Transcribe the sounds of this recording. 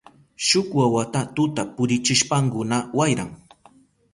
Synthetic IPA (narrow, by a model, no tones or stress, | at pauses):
ʃʊkwawat̪at̪ʊt̪apʊɾɪt͡ʃɪʃpaŋkʊnawajɾaŋ